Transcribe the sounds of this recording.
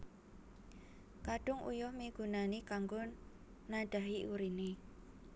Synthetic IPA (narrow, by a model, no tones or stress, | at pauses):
kaɖ̥ʊŋṵjʊhmeɡ̥ṳnanikaŋɡʊ | naɖ̥a̤ɦiʔuɾine